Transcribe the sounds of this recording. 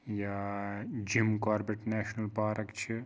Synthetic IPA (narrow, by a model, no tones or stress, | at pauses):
ja | d͡ʒimkaːɾbeʈnɛːʃnɐlpaːɾɐkt͡ʃʰe